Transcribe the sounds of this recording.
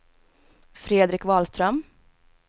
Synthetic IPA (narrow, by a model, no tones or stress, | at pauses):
fɾeːd̪ɾɪkvɑːlst̪ɾœm